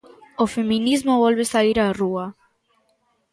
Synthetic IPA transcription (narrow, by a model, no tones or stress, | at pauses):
ofemĩnizmoβolβesaiɾarua